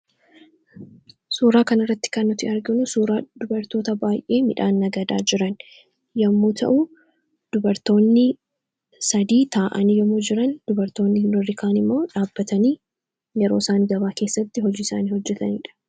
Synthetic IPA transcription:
suːɾaːkɐnɪrːɐt̪ːɪ̥kɐnːʊt̪ɪɐɾɡɪnʊsuːɾaːd̪ʊbɐɾt̪o̞ːt̪ɐbaːjʔe̞ːmɪᶑaːnːɐɡɐd̪a̰ːd͡ʒɪɾɐn | jɐmːuːt̪ʰɐ̰ʔʊ | d̪̥ʊbɐɾt̪o̞ːnːɪ | sɐd̪iːt̪aːʔɐniːjɐmud͡ʒɪɾɐnd̪̥ʊbɐɾt̪o̞ːnːɪhɪnɔrːɪkaːnɪmːo̞ːᶑaːbːɐt̪ɐniː | jɛɾo̞ːsaːniɡɐbaːke̞ːsːɐt̪ːɪɦɔd͡ʒiːɪsa̰ːniːhɔd͡ʒːɛt̪ɐnḭːᶑɐ̥

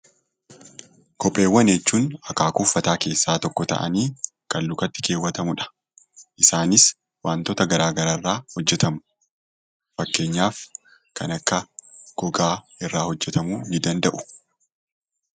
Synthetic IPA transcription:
kɔpʼːe̞ːwːɐnet͡ʃːuːnɐkaːkʊfːɐt̪aːke̞ːsːaːt̪ɔkːɔt̪ɐ̰ʔɐ̰niː | kɐlːʊkɐt̪ːɪ̥ke̞ːwːɐt̪ɐmʊᶑɐ̥ | ʔɪsaːnɪs | waːnt̪ɔt̪ɐɡɐɾaːɡɐɾaːrːaːhɔd͡ʒːɛt̪ɐmʊ̥ | fɐkːe̞ːɲːaːf | kʰɐnɐkːɐɡ̥ɔɡaː | ɪrːaːhɔd͡ʒːɛt̪ɐmuːnɪd̪ɐnd̪ɐʔʊ̥

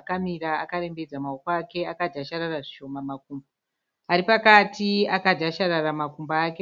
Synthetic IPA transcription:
kamiɾaakaɾe̞mbe̞d͡zamaokoake̞akad͡ʒaʃaɾaraʐiʃo̞mamak̚uːmba | aɾipakatiakad͡ʒaʃaɾaramakumbaːke̞

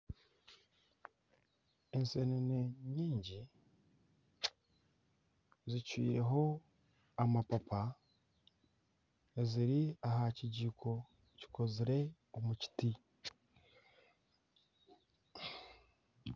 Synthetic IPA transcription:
enseneneɲiːɲɟi | zicwḭːɾe̞ɦo̞ | amapapʰa | eziɾiaɦaciɟiːkʰo̞ | ci̥ko̞ziɾe̞ | omuci̥ti

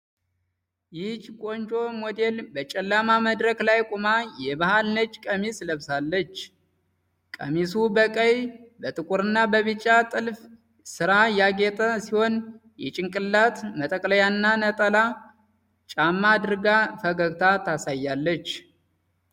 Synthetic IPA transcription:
jɪt͡ʃkʼo̞nt͡ʃʼo̞mod̪e̞lbət͡ʃʼɛlːamaməd̪ɾəklajkʼumajɛbahalnət͡ʃːkʼəmisləβsalːət͡ʃː | kʼəmisubəkʼəjbət̪ʼɨkʼuɾɨnːabəβɨt͡ʃʼːat̪ʼɨlf | sɨɾajaɡet̪ʼəsiho̞njɛ̰t͡ʃʼɪŋkʼɨlːat̪mət̪ʼəkʼləjanːanət̪ʼəla | t͡ʃʼamːad̪ɨɾɡafəɡəɡt̪ʰat̪ʰasajːalːət͡ʃː

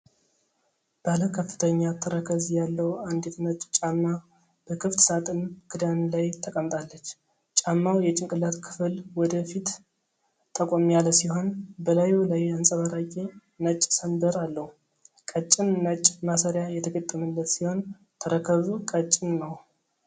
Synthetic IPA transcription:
b̥aləkʰəfːɨ̥t̪ʰəɲːat̪ʰəɾəkʰəzjalːəwand̪et̪nət͡ʃʼt͡ʃʼamːa | b̥əkʰɨft̪sat̪ʼɨnɡ̥ɨd̪anlajt̪ʰəkʼəmt̪ʼalːət͡ʃː | t͡ʃʼamːawjɛt͡ʃʼɪŋkʼɨlat̪kʰɨ̥flwɔd̪əfit̪ | t̪ʼːəkʼomjaləsiho̞nbəlajulajansʼəβaɾakʼe | nət͡ʃʼːsənd̪əɾalːəhu | kʼət͡ʃʼːɪnːət͡ʃʼmasəɾjajɛt̪ʰəɡət̪ʼːəməlːət̪siho̞n | t̪ʰəɾəkʰəβukʼət͡ʃʼːɪnːəw

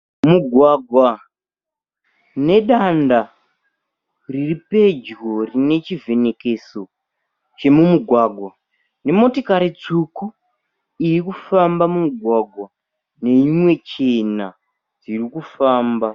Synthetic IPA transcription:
muɡʱwaɡʱwa | ne̞ɗanda | riripe̞d͡ʒwo̞rine̞t͡ʃive̞ne̞ke̞so̞ | t͡ʃe̞mumuɡʱwaːɡʱwa | ne̞mo̞tokaɾit͡suku | ijikufambamumuɡʱwaɡʱwa | ne̞imwe̞t͡ʃe̞na | d͡zirikufaːmba

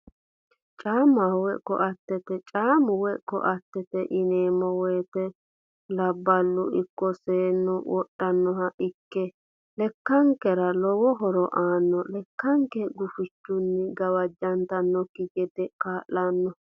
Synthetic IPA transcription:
t͡ʃʼaːmawɛkːɔ̰ʔɐt̪ːɛt̪ɛt͡ʃʼaːmʊwɛkːɔ̰ʔɐt̪ːɛt̪ɛʔɪneːmɔwɔjt̪ɛ | lɐbːɐlːʊɪkːɔseːnːʊwɔɗːɐnːɔhɐʔɪkːɛ | lɛkːɐŋkɛɾɐlɔwɔɦɔɾɔʔaːnːɔlɛkːɐŋkɛɡʊfɪt͡ʃːʊnːɪɡɐwɐd͡ʒːɐnt̪ɐnːɔkːɪɡɛd̪ɛkaːʔːɐnːɔ

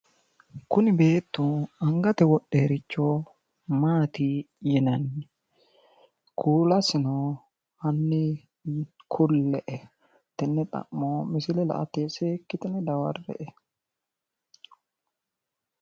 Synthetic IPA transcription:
kʊnɪbeːt̪ːuɐŋɡɐt̪ɛwɔɗːeːɾɪt͡ʃːoː | maːt̪i | jɛnɐnːɪ | kʰuːlɐsɪno | hɐnːɪ | kʰʊlːɛʔɛ | t̪ːɪnːɛt̪ʼɐ̰mːoːmɪsɪlɛlɐ̰ʔɐ̰t̪eːseːkːɪt̪ɪnɛd̪ɐwɐrːɛ̰ʔɛ

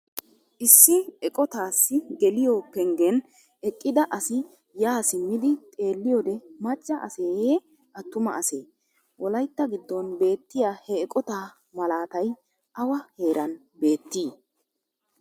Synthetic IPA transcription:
ʔɪsːɪɛkʼɔt̪aːsːɪɡɛlɪjopɛŋɡɛn | ɛkʼːɪd̪ɐʔɐsɪ | jaːsɪmːɪd̪ɪt̪ʼe̞ːlːɪjod̪ɛmɐt͡ʃʼːɐʔɐ̰seːje | ʔɐt̪ːʊmɐʔɐse̞̰ː | wʔɔlɐjt̪ːɐɡɪd̪ːɔnbe̞ːt̪ːɪjaːhɛːkʼɔt̪aː | mɐlaːt̪ɐj | ʔɐwɐhe̞ːɾʔɐn | be̞ːt̪ːiː

